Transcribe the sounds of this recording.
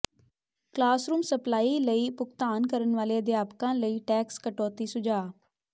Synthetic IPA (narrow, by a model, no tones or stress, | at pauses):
klaːsɾuːmsəplaːiːləiːpʊkt̪aːnkəɾənʋaːleːəd̪ɪaːpkãːləiːʈɛːkskəʈɔːt̪iːsʊd͡ʒaː